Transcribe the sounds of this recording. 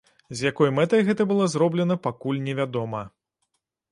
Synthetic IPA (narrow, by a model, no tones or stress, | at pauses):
zʲjakɔjmɛt̪ɐjɣɛt̪ɐbɨlˠɔzɾɔblʲɛnɐpakulʲnʲɛvʲad̪ɔmɐ